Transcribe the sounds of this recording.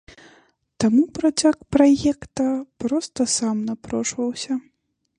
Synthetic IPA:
t̪amupɾat͡sʲakpɾajɛkt̪ɐpɾɔst̪ɐsamnapɾɔʂvɐwsʲɐ

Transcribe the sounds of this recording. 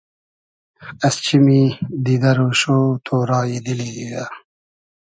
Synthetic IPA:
ɐst͡ɕʰimid̪id̪ɐɾoːɕoːt̪ʰoːɾɑːjid̪iliɡija

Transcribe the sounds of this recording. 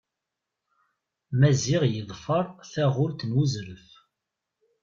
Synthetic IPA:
mæzɪʁjəðˤfəɾˤθæʁʊlt̪nwuzɾəf

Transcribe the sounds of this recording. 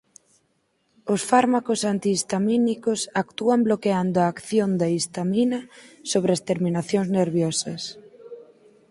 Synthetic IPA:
ʊsfaɾmakʊsant̪iːst̪aminikʊsakt̪uamblokeand̪ʊaːkθjond̪aist̪aminɐsoβɾɪɐst̪eɾminaθjoŋzneɾβjɔsɐs

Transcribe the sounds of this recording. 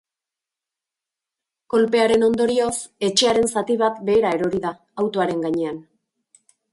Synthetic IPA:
ko̞lpe̞aɾe̞no̞nd̪o̞ɾio̞se̞t͡ʃe̞aɾe̞nsat̪iβ̞at̪be̞ːɾae̞ɾo̞ɾiða | awt̪o̞aɾe̞ŋɡaɲe̞an

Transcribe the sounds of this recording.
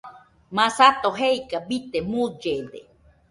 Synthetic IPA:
mãsat̪oɦeikabit̪emud͡ʒed̪ḛ

